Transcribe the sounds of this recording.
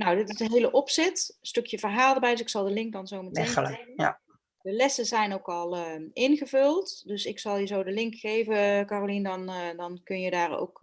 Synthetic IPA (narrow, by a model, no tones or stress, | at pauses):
nowdɪtɪsənɦejləʔɔpsɛtstøkjəvərɦaːlˠdəbɛjdsɪksɑlˠdəlɪŋk̚dɑnzowməteəl̰ | dəlɛsəzɛjnowkɑlˠəʔɪnχəvɵlˠtdɵsɪksɑlˠjizowdəlɪŋkχejvəkaːrolindɑndɑnkɵnjədaːro̰wk